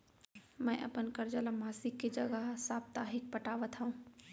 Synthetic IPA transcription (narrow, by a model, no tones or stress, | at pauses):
mɛ̃ːʔɐ̰pənkɐɾd͡ʒəlamaːsɪkːed͡ʒɐɡəɦsaːp̚t̪aːɦɪk̚pɐʈaːʋət̪ɦaũː